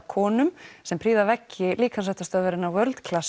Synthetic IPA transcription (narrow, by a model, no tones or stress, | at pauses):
kʰɔːnʏmsɛmpʰɾiːðavɛcːɪliːkʰans̬ɛht̪ḁst̪œðvɛɾɪnavœɾlt̪kʰlas